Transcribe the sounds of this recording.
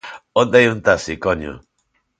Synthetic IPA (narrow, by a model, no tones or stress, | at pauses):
ond̪ajunt̪asikoɲo̰